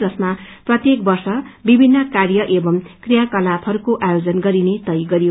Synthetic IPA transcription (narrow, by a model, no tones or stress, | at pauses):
d͡zʌsma | prʌt̪jek̚bʌrsʌbibʱinːʌkarjʌʔebʌmkrijakʌlabʰɦʌɾukoʔajod͡zʌnɡʌɾinet̪ʌjɡʌɾijo